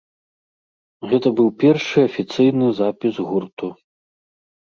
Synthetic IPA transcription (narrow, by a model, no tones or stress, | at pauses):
ɣɛt̪ɐbɨwpʲɛrʂɨɐfʲit̪sɨjnɨzapʲizɣurt̪u